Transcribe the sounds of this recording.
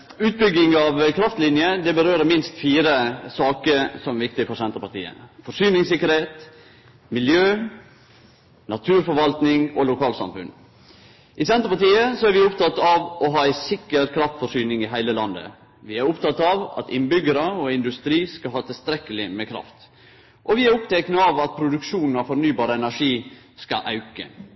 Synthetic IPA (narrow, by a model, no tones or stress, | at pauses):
ʉːt̪̚bʏɡɪŋɑʋkʰɾɑft̪lɪnjəd̪ɛbəɾøːɾəmɪnst̪fiːɾəsɑːkəɾsɔmæʋɪk̚t̪ɪfɔɾsɛnt̪ɾəpɑt̪ḭːə̰fɔʂyːnɪŋsɪkːəɾheːt̪ | mɪljøː | nɑt̪ʰʉːɾfɔɾʋɑlt̪nɪŋɔlʊkʰɑːlsɑ̰mfʉ̰n | ʔɪsɛnt̪ɾpɑʈ̪iːəsɔæɾʋɪʊpt̪ʰɑt̪ɑʋʔɔɦɑːæɪsɪkːəɾkʰɾɑft̪fɔʂyːnɪŋɪɦæɪləlɑnd̪ə̰ | ʋɪæɾʊpt̪ʰɑt̪ːɑʋɑ̰t̪ɪnbʏɡəɾəɔɪnd̪ʉst̪ɾiːskɑɦɑːt̪ʰɪlst̪ɾɛkːəlɪmekʰɾɑ̰ft̪ | ʔɔʋɪæɾʊpt̪ʰɛknəɑʋɑt̪̚pʰɾʊd̪ʉkʂuːnn̩ɑfɔɾnyːbɑːɾəɛnæʂiː | skɑ̰ʔɑ̰ʉkə̰